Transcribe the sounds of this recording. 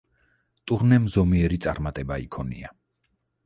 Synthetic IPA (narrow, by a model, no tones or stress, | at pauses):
t̪ʼuɾnɛmzɔmiɛɾit̪sʼa̰ɾmat̪ʼɛbaikʰɔnḭa